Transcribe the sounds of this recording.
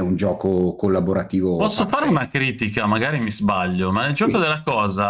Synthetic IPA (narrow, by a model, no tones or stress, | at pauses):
ɛund͡ʒɔːkokolːaboɾat̪iːvopɔsːofaɾeunakɾiːt̪ikamaɡaːɾimizbaʎːomaneld͡ʒɔːkod̪elːakɔːza